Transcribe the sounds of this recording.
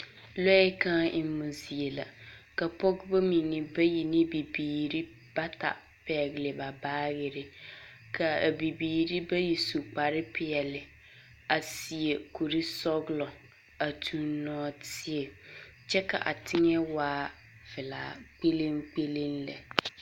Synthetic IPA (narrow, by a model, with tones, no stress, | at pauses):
lɔ˦ɪ˦ka˦ʔɪ˦mː˦u˨zi˨e˨la̰˨ka˨pɔ˦ɡba˦mi˨nɪ˨ba˦ji˨ni˦bi˨biː˨ɾi˦ | b̥a˦ta̰˨ | pɛ˨ɡɪ˨lɪ˨ba˨baː˦ɣɪ˦ɾɪ˨ | ka˨bi˨biː˨ɾi˦ba˦ji˨su˨k͡pa˨ɾɪ˦pɪ˦˨ɛ˨lɪ˨ | a˨si˨e˨ku˨ɾi˦sɔ˦ɡɪ˦lɔ˨ | a˨tʰu˦nnɔː˦tɪ˦e˨ | t͡ʃɛ˦ka̰˨ʔa̰˨tʰɪ˦ŋɛ˦waː˦ | vɪ˨la̰ː˨k͡pe˦lɪ˦mk͡pe˦lɪ˦nla̰˨